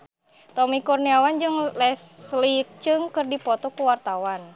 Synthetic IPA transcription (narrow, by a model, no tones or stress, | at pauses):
t̪ɔmikɔrniawand͡ʒɨŋlɛslik̚t͡ʃɨŋkɨrdipɔt̪ɔkuwart̪awan